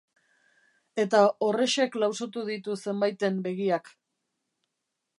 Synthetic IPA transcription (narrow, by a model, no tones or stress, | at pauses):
e̞t̪ao̞re̞ʃe̞klawso̞t̪uðit̪use̞mbajt̪e̞mbe̞ɣiak